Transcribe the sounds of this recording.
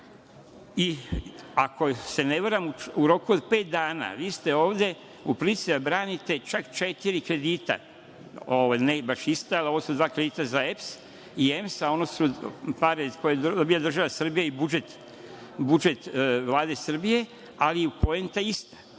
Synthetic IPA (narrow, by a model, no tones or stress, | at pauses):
i | akʰo̞se̞neʋaɾamuuɾo̞kuod̪peːt̪̚d̪aːna̰ːʋiːst̪e̞o̞ːʋd̪e̞ | upɾisiabɾaːnit̪e̞t͡ʃakt͡ʃet̪iɾikɾe̞d̪iːt̪a̰ | oʋajnebaʃist̪aalo̞ʋosud̪ʋaːkɾed̪iːt̪azaefs | iemsao̞nosupaɾekojeobijad̪r̩ʒaʋasr̩bijaibud͡ʒet̪ | bud͡ʒet̪ʋlˠaːd̪e̞sr̩bije̞ | aliupo̞ent̪aist̪ḁ